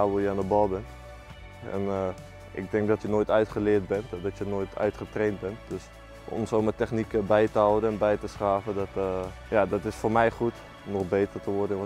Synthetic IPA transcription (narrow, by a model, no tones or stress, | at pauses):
aʋuljəandəbɔbənt | ɛ̰n | ʔɪ̰ɡ̚dɪŋk̚dɔtjənoːjtœɥtχəlɪərt̚bɛntdɔtjənoːjtʰœ̰ɥtχətreːnt̚bɛnt̚døs | ʔɔ̰nsoːmətɛxnikəbɛjtəɦɔwəənɛnbɛjtəsχaːvədɔt | jadɔtɪsfoːrmɛjχut | nɔχbeːtərtəʋɔrdə